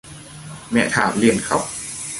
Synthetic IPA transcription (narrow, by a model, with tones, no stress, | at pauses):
mɛ̰˧˩t̪ʰaː˨˩˦mli˧ənkʰa˦˥p̚